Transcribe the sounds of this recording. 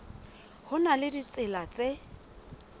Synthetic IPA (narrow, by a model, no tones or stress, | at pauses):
hʊnalɪdit͡sɪlat͡se